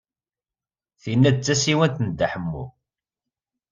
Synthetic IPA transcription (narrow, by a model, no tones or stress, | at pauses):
θinːæd̪̚t͡sːæsiwænt̪nd̪ːaħəmːṵ